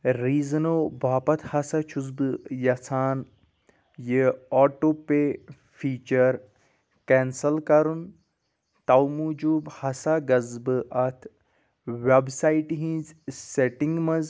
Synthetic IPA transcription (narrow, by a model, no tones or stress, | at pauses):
ɾiːznoːbaːpɐt̪ʰhɐsat͡ʃʰuzbɨjɐt͡sʰaːn | jəɔːʈoːpe | fʰiːt͡ʃɐɾ | keːnsɐlkɐɾun | t̪ɐwmud͡ʒuːbhɐsaɡɐzbɨʔɐt̪ʰ | ʋebsaiʈɦĩzseʈiŋɡmɐz